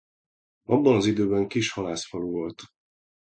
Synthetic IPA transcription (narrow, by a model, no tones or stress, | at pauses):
ɒbːɒnɒzid̪øːbɛŋkiʃhɒlaːsfɒluvolt̪